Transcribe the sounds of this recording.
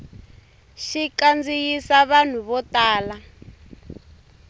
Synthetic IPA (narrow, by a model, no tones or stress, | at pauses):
ʃikand͡zijisaβan̤uβɔtaːla